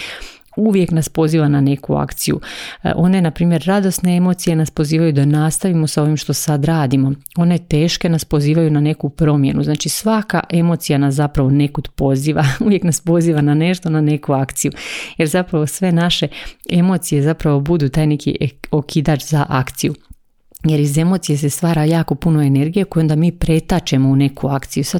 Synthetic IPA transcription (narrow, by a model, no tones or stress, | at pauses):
uʋje̞knaspo̞ziːʋanane̞kua̰kt̪sijṵʔo̞ne̞napɾiːmje̞ɾːad̪o̞sne̞e̞mo̞t̪sije̞naspo̞ziːʋajud̪anast̪aʋimo̞sao̞ʋimʃt̪o̞sad̪ɾaːd̪imo̞ | o̞ne̞t̪e̞ːʃke̞naspo̞ziːʋajunane̞kupɾo̞mje̞nuznaːt͡ʃisʋaka̰ʔe̞mo̞ːt̪sijanas̬zapɾaʋo̞ne̞kod̪po̞ziːʋauʋje̞knaspo̞ziːʋanane̞ʃt̪o̞nane̞kuakt̪sijuje̞ɾzapɾaʋo̞sʋe̞naʃe̞e̞mo̞t̪sije̞zapɾaʋo̞bud̪uːt̪aːjne̞kḭokʰid̪at͡ʃzaʔakt̪siju | je̞ɾize̞mo̞t̪sije̞se̞st̪ʋaːɾajaːko̞puno̞e̞ne̞ɾɡijekoio̞nd̪amiːpɾe̞t̪at͡ʃe̞mo̞une̞kuakt̪sijusa